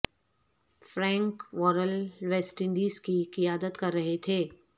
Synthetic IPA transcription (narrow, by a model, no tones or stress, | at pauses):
fɾɛ̃ːŋkʋɔːɾəlʋeːsʈɪ̃ɳɖiːzkikɪjaːd̪ət̪kɐɾːɐɦet̪ʰeː